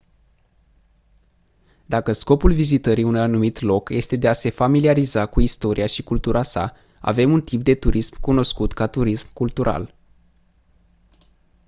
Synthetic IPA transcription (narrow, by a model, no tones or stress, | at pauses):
d̪akəsko̞pulvizit̪əɾiunanumit̪lo̞kje̞st̪e̞d̪e̞ase̞familiaɾizakuist̪o̞ɾʔiaʃikult̪uɾʔasa̰ | a̰ve̞munt̪ip̚d̪e̞t̪uɾismkuno̞skut̪kat̪uɾismkult̪uɾʔa̰l